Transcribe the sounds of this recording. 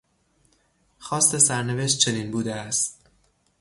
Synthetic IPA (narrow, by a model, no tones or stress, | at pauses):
xɒːst̪e̞sæɾne̞ve̞ʃ̬t̪̚t͡ʃʰeniːnbuːd̪eæst̪